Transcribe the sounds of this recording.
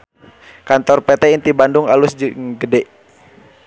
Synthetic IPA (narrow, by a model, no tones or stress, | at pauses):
kant̪ɔrpɛt̪ɛint̪ibandʊŋalusd͡ʒŋɡədɛʔ